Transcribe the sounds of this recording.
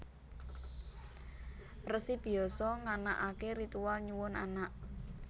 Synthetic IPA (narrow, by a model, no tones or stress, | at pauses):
rəsib̥i̤ɔsɔŋana̰ʔakeɾit̪uwalɲuwʊnanaʔ